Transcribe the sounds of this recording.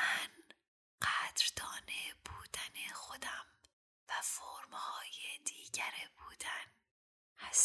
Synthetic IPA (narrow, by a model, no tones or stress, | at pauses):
mæn | ɢ̥æd̪̥ɾd̪ɒːnebuːd̪̥ænexod̪æm | væfoɾmhɒːjed̪iːɟæɾebuːd̪æn | hæs